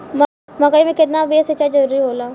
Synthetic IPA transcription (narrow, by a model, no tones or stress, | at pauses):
m | mɐkaimẽkɪt̪nabeːset͡ʃad͡ʒɐɾuːɾiɦoːlaː